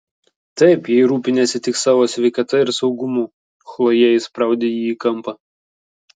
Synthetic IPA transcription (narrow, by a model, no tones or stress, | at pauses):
t̪ɐɪpjɛɪɾuːpʲɪnʲɛːt̪sʲɪt̪ʲɪksɑːʋoːsʲʋʲɛɪkɐt̪ɐɪɾsɒʊɡʊmuː | xlˠoːjɛɪspɾɑˑʊd̪ʲeːjiːkɐmˑpɐ